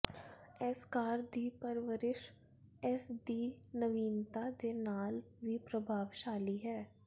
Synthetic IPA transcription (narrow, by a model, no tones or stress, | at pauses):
ɛskaːɾd̪iːpəɾʋəɾɪʃ | ɛsɖiːnəʋiːnt̪ad̪eːnaːl | ʋipɾəbʱaːʋʃaːliɦɛː